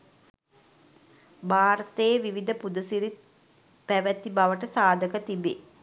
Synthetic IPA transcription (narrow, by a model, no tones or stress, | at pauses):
baːɾət̪əːʋiʋid̪əpud̪əsiɾit̪̚ | pæʋæt̪ibaʋəʈəsaːd̪ʱəkət̪ibe